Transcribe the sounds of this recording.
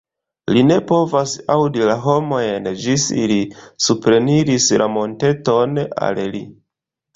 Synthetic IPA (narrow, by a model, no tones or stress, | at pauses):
line̞po̞vasawdilaɦo̞mo̞jnd͡ʒisḭlisupɾe̞niɾisla̰mo̞nte̞to̞na̰lli